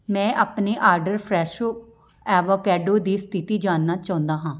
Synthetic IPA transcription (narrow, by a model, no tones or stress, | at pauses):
mɛ̃ːʔaːpneːʔaːɾɖəɾpʰɾɛːʃoː | ɛːʋoːkɛːɖoːd̪iːst̪ʰɪt̪iːd͡ʒaːnːaːt͡ʃaːɦnd̪aːɦãː